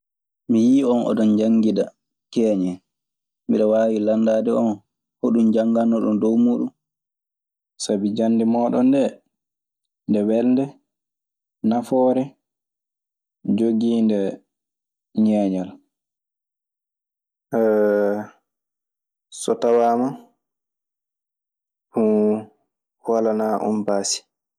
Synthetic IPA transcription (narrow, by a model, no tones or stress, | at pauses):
mijiːɔnɔ̰dɔnd͡ʒaŋɡida | kɛːɲɛ | miɗɔwaːwilanːdaːdɛɔn | hoɗumd͡ʒaŋɡanɔɗɔndowmuːɗum | sabid͡ʒanːdɛmɔːɗɔndɛ | ndɛwɛldɛ | nafɔːɾɛ | d͡ʒoɡiːndɛ | ɲɛːɲal | ʔɛ | sɔtawama | fu | walanaʔɔ̰mbaːsi̥